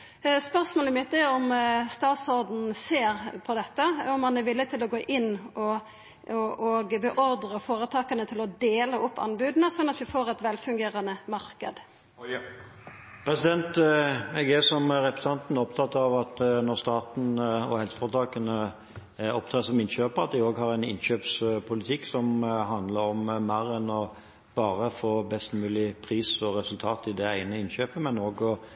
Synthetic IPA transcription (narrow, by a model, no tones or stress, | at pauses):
spœɾsmoːləmɪt̪̚d̪ɛɔmst̪ɑːt̪sɔɾd̪n̩seːɾpʰɔd̪ɛt̪ːəɔmːɑnɛɾʋɪlːɪt̪ʰɪlɔɡoːʔɪnːɔ | ɔʔɔɡbɛʔɔɾd̪ɾəfoːɾət̪ʰɑːkənət̪ʰɪlɔd̪eːləʔʊpʰːɑ̰nbʉːd̪nəsɔnːɑt̪ʋɪfoːɾɛt̪ʋɛlfʉŋɡeːɾɑnəmɑɾkə̰d̪ | pʰɾɛsɪd̪ɛnt̪ɛɡɛsɔmɾɛpɾəsɑnt̪n̩ɔpt̪ʰɑt̪ːɑʋɑt̪nɔʁst̪ɑːt̪n̩ɔhɛlsə̥fɔt̪ʰɑːkənə | ɔpt̪ʰɑːsɔmɪnɕøːpəʁɑt̪̚d̪ɪoːɡhɑʁæɪnɪ̰nɕøːpspʰʊlɪt̪ʰɪkːsɔmɦɑnd̪ləɾɔmmæɾɛnɔ | b̥ɑːʁəfoːbɛst̪mʉːlɪpʰʁiːsɔʁɛsʉlt̪ʰɑːt̪ɪd̪ɛæɪnəɪnɕøːpəmɛnoːɡɔ